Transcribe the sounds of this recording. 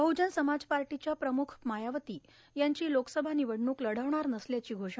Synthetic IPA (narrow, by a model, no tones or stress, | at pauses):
bʱəwd͡ʑənsəmad͡zpaɾʈit͡ɕjapɾəmukʰmajaʋət̪iː | jaɲt͡ɕiːloksəbʱaniʋəɽɳuːkləɽ̤aʋɳaɾnəsljat͡ɕiːɡʱoʂɳa